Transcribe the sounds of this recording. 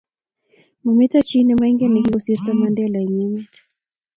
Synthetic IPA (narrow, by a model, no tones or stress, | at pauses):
mumitat͡ʃinɛmaiŋɡɛniɦiɡɔsiɾtamandɛlaiɲɛmɛt